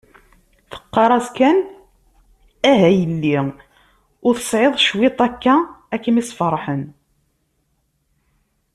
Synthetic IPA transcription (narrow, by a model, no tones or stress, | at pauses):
θə̥qːɑɾˤɑzkæn | æɦæjəlːi | ʊɾθə̥sˤʕeðˤʃwɪt̪ˤækːæækːəmisfəɾˤħən